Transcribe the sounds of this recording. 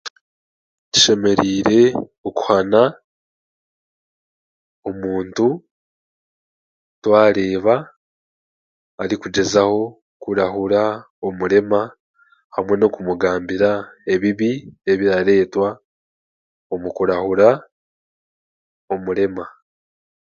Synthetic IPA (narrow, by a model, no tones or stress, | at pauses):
ti̥ʃe̞me̞ɾiːɾe̞oku̥hana | omuːntu | twaːɾe̞ːβa | ɾikud͡ʒe̞zaho̞ | kuɾaɦuɾa | omuɾe̞ma | hamwe̞no̞kumuɡaːmbiɾae̞βiβie̞βiɾaɾe̞ːtwa | o̞mukuɾahuɾa | o̞muɾe̞ma